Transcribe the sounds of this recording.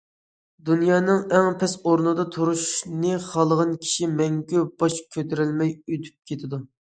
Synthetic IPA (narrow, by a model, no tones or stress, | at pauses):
d̪unjɑːnɨŋɛŋpʰɛsoɾnɨd̪ɑt̪ʰoɾuʃnɨχɑlˠəʁɑnkʲʰi̥ʃimɛŋɡʲyb̥ɑʃkʲʰøt̪ʰeɾɪlmɛjøt̪ʰy̥p̚kʲʰet̪ʰɪd̪u